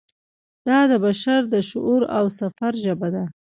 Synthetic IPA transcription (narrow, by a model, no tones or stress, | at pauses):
d̪̥ɑd̪əbaʃaɾd̪əʃʊʔuɾawsafaɾʒəbad̪a